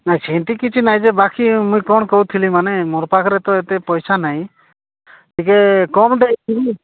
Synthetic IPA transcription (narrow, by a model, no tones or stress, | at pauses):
najt͡ʃʰint̪ikit͡ʃʰinajd͡ʒɛbakimũjkɔɳkowt̪ʰilimanemɔɾpakʰɾɛt̪ɔet̪ɛpɔjsanaj̃ | t̪ikekɔmɖejt̪ibi